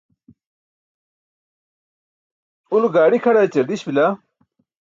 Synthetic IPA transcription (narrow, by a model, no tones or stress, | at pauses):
uluɡaːɽikʰɐɽaːt͡ɕɐɾd̪iɕbila